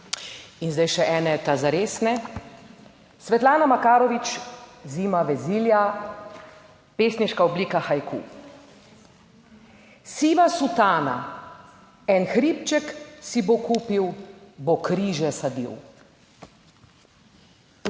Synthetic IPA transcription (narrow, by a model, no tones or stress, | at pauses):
inzd̪ajʃɛʔɛːnɛt̪azaɾeːsnɛ | sʋɛt̪laːnamakaːɾɔʋit͡ʃziːmaʋɛziːlja | peːsniʃkaɔbliːkaxajkʰṵ | siːʋasut̪aːna̰ | ɛnxɾiːpt͡ʃɛksibokuːpiwbokɾiːʒɛsad̪ḭw